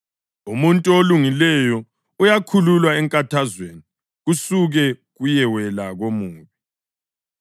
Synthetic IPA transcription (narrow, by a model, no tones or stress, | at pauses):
umuntʼuoluŋilɛjɔ | ujakʰululwaɛŋkʼatʰazweni | ɣusuɣɛɣujɛwɛlaɣomuːβɛ